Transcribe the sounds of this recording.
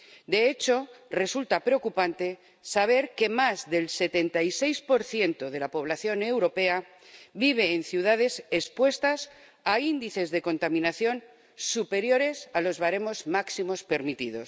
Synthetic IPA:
d̪e̞et͡ʃo̞re̞sult̪apɾeo̞kupant̪e̞ | saβ̞e̞ɾke̞mazðe̞lse̞t̪e̞nt̪aise̞jspo̞ɾθje̞nt̪o̞ð̞e̞lapo̞β̞laθjo̞ne̞wɾo̞pe̞a | biβ̞e̞ːnθjuð̞að̞e̞sespwe̞st̪as | aind̪iθe̞zðe̞ko̞nt̪amĩnaθjo̞n | supe̞ɾjo̞ɾe̞salo̞zβaɾe̞mo̞zmaksimo̞spe̞ɾmit̪iðo̞̰s

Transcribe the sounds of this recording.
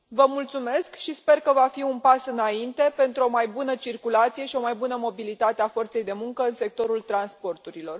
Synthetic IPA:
vəmult̪sume̞skʃispe̞rkəvafiunpasɨnaint̪e̞pe̞nt̪ɾuo̞majbunət͡ʃirkulat̪sije̞ʃio̞majbunəmo̞bilit̪at̪eafo̞rt̪se̞jd̪e̞muŋkəɨnse̞k̚t̪o̞ɾult̪ɾanspo̞rt̪uɾilo̞r

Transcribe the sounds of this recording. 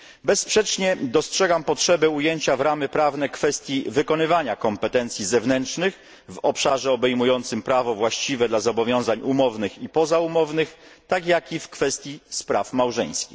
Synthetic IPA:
bɛspʂɛt͡ʂɲɛd̪ɔstʂɛɡampɔtʂɛbɛujeɲt͡ɕavɾamɘpɾavnɛkfɛst̪ʲjivɘkɔn̪ɘvaɲakɔmpɛt̪ɛnt̪sʲjizɛvnɛntʂnɘx | vɔpʂaʐɛɔbɛjmujɔnt̪sɘmpɾavɔvwaɕt͡ɕivɛd̪lazɔbɔvʲjɔ̃w̃zaɲumɔvnɘxipɔzaumɔvnɘxt̪akjakʲifkfɛst̪ʲjispɾafmawʐɛ̰j̃skʲḭ

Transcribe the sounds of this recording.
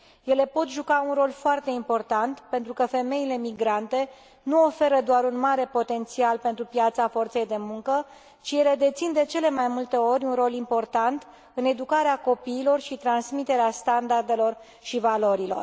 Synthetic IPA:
je̞le̞po̞t̪ʒukaunro̞lfoart̪e̞impo̞rt̪ant̪pent̪ɾukəfe̞me̞ile̞miɡɾant̪e̞ | nuo̞fe̞ɾəd̪oaɾunmaɾe̞po̞t̪e̞nt̪sialpe̞nt̪ɾupjat̪safo̞rt̪se̞jd̪e̞muŋkə | t͡ʃije̞le̞d̪e̞t̪sind̪e̞t͡ʃe̞le̞majmult̪e̞o̞ɾʲunro̞limpo̞rt̪ant̪ | ɨne̞d̪ukaɾeako̞piːlo̞rʃit̪ɾansmit̪e̞ɾeast̪and̪ard̪e̞lo̞r | ʃivalo̞ɾilo̞̰r

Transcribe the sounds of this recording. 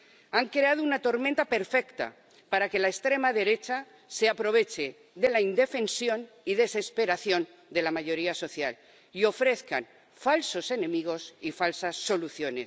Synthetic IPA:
aŋkɾeað̞ounat̪o̞ɾmẽnt̪ape̞ɾfe̞kt̪a̰ | paɾake̞laest̪ɾe̞maðe̞ɾe̞t͡ʃa | se̞apɾo̞β̞e̞t͡ʃe̞ | ðe̞laind̪e̞fe̞nsjo̞n | iðe̞se̞spe̞ɾaθjo̞n | d̪e̞lamaʝo̞ɾiaso̞θja̰l | io̞fɾe̞θka̰n | falso̞se̞nẽ̞miɣ̞o̞sifalsasːo̞luθjo̞nes

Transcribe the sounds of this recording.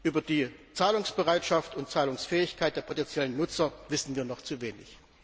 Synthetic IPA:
ʔyːbɐdiːt͡saːlʊŋsb̥əʁaɪtʃaftʊnt̚t͡saːlʊŋsfɛːɪçkʰaɪt̚d̥eːɐpʰotɛnt͡sjɛlənːʊt͡sɐvɪsn̩viːɐnɔχt͡suveːnɪ̰ç

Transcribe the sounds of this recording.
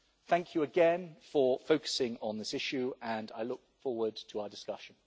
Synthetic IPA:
θæ̃ŋkʰjəəɡɛ̃nfəfəʊkə̥sɪ̃ŋə̃nðɪsɪʃʉə̃na̰ɪlʊk̚fɔːwəd̚tʰəaʊədɪskʌʃə̃n

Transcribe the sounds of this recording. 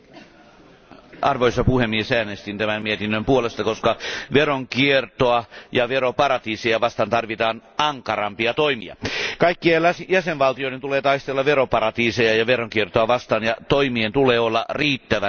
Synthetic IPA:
ɑrʋoisɑpuhemːiesæːnest̪int̪æmæmmiet̪inːømpuolest̪ɑkoskɑʋeroŋkiert̪oɑjɑʋeropɑrɑt̪iːsejɑʋɑst̪ɑnt̪ɑrʋit̪ɑːnɑŋkɑrɑmpiɑt̪oimḭɑ̰kɑikːiesjæsenʋɑlt̪ijoident̪uleːt̪ɑist̪elːɑʋeropɑɾɑt̪iːsejɑjɑʋeroŋkiert̪oɑʋɑst̪ɑːnjɑt̪oimient̪uleːolːɑriːt̪ːæʋæ

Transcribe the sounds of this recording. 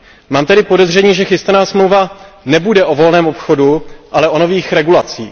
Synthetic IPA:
maːmt̪ɛdɪpo̞dɛzr̝ɛɲiːʒɛxɪst̪anaːsmlowva | nɛbudɛʔo̞vo̞lnɛːmopxo̞duʔalɛʔo̞no̞viːxɾɛɡulat͡sḭː

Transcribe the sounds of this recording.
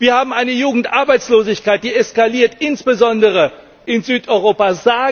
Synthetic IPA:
viːɐhaːbm̩aɪnəjuːɡŋ̩tʔaɐbaɪt͡sloːzɪçkaɪt̚d̥iːɛskaliːɐtɪnsb̥əzɔndəʁ̞ə | ʔɪnzyːtʔɔʏʁ̞oːpazaː

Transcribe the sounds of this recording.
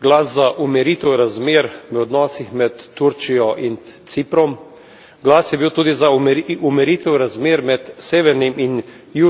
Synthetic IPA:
ɡlaszaʔumɛɾiːt̪ɛwɾazmeːɾʋəɔd̪nɔːsixmɛt̪ːuɾt͡ʃijɔʔint̪sipɾɔm | ɡlaːsjɛbiwt̪uːd̪izamumɛɾit̪ɛwɾazmeːɾmɛt̪seːʋɛɾnimʔin | ju

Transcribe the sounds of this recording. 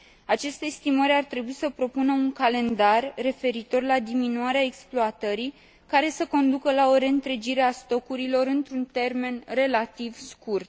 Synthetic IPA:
at͡ʃe̞st̪e̞st̪iməɾʲart̪ɾe̞buisəpɾo̞punəuŋkale̞nd̪arːe̞fe̞ɾit̪o̞rlad̪iminuaɾeaeksploat̪əɾij | kaɾe̞səko̞nd̪ukəlao̞ɾe̞ɨnt̪ɾe̞d͡ʒiɾe̞ast̪o̞kuɾilo̞ɾɨnt̪ɾunt̪e̞rme̞nre̞lat̪ivskurt̪̚

